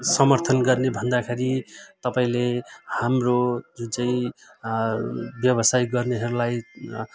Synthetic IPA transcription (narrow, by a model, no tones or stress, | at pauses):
sʌmʌrt̪ʰʌnɡʌrnebʱʌnd̪akʰeɾit̪ʌpaĩlehamrod͡zut͡sʌĩ | bjʌbʌsajɡʌrneɦʌɾulaj